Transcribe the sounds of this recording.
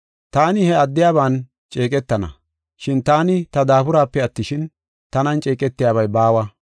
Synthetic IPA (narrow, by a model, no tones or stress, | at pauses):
t̪aːnɪhɛɐd̪ːɪjaːβaːn | t͡ʃʼeːkʼɛt̪ːɐnɐ̰ | ʃɪnt̪aːnɪt̪ɐd̪aːpʊɾaːpːɛɐt̪ːɪʃɪn | t̪ɐnɐnt͡ʃʼe̞ːkʼɛt̪ːɪjaːβɐjbaːwɐ